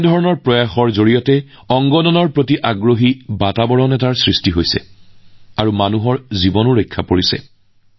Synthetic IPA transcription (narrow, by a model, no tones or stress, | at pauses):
dʱɔɹɔnɔɹpɹɔjaxɔɹzoɹijɔtɛ | ɔŋɡɔnɔnɔɹpɹotiʔaɡɹoɦibatabɔɹɔnɛtaɹsɹistiɦojsɛ̰ | aɹumanuɦɔɹzibɔnuɹɔjkʰːapoɹisɛ̰